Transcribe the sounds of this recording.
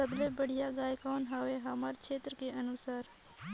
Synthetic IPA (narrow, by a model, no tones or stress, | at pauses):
əblebəɽ̤ijaɡaːjkaːnɦaːʋeɦamaːɾkʰeːt̪ɾəkeʔənusaːɾ